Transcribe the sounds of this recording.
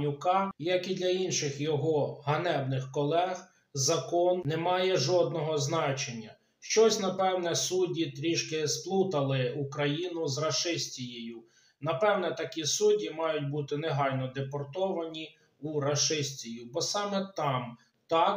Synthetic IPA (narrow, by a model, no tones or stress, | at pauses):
nʲʊkɑjɐkid̪lʲɐinʃɪxjɔɦɔɦɐnɛwnɪxkɔlˠɛɣ | zɐkɔnnɛmɑjɛʒɔd̪̚nɔɦɔznɑt͡ʃenʲːɐ | ʃt͡ʃɔsʲnɐpɛwnɛsudʲit̪ɾʲiʃkɪsplˠut̪ɐlˠɪukɾɐjinʊzrɐʃɪsʲtʲijejʊ | nɐpɛwnɛt̪ɐkʲisudʲimɑjʊtʲbut̪ɪneɦɑjʲnɔd̪epɔrt̪ɔʋɐnʲi | uɾɐʃɪsʲtʲijʊbɔsɑmɛt̪ɑm | t̪ɑk